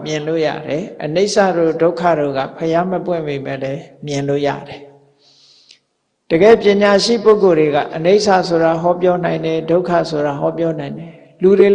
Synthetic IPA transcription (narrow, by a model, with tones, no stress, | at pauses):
mjɪ̃˨nlo̰˦˨ja̰˦˨ɾɛ˨ʔəne˦ɪʔsa̰˦˨ɾo̰˦˨do˦ʊkʰa̰˦˨ɾo̰˦˨ɡä̰˦˨pʰəja˦məpwɪ̰̃˦˨mbe˨mɛ̰̃˦˨lɛ˦mjɪ̃˨nlo̰˦˨ja̰˦˨ɾɛ˨ | d̥əɡɛ̰˦˨pjɪ̃˨ɲa˨ʃḭ˦˨po˦ʊko˨ɾe˨ɡa̰˦˨ʔəne˦ɪʔsa̰˦˨sʰo˨ɾa˨ɦɔ˦pjɔ˦nã˨ɪ̃ndɛ˨do˦ʊkʰä̰˦˨sʰo˨ɾa˨ɦɔ˦pjɔ˦n̥ã˨ɪ̃ndɛ˨ | lu˨ɾe˨